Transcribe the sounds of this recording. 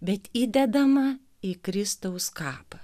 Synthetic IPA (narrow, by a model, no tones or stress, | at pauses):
bʲɛt̪iːd̪ʲɛd̪ɐmɐ | ikɾʲɪst̪ɐʊskɑːpɐ